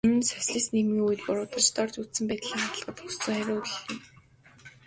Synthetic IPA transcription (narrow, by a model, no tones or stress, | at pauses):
en̆sœsɮiːsnemiːŋuj̆t̪pʊɾʊːt̪ə̆rt͡ɕt̪ɔrt͡ɕut͡ssɘ̆mpæːt̪ɮiːŋχat̪ə̆ɮɢə̆t̪xu̥st͡sɵːχæɾʲʊːkixt̪ɘ̆n